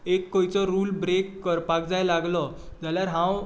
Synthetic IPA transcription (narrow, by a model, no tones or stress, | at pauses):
ekːojt͡sɔɾuːlbɾekːəɾpak̚d͡zajlaɡlɔd͡zaljaɾɦãw